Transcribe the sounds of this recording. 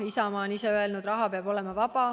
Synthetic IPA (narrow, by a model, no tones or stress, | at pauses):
isɑmɑːoniseøelnud̪rɑɦɑpeɑb̥o̞le̞mɑvɑb̥ɑ